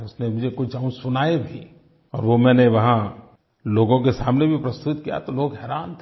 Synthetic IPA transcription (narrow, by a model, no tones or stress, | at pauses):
ʊsnemʊd͡ʒʱekʊt͡ʃaːũsʊnaːebʱi | ɔ̰ːɾʋomɛ̃ːneʋɐɦã | loːɡõkesaːmnebʱipɾɐst̪ʊt̪kija̰t̪oloːɡɦɛːɾaːnt̪ʰ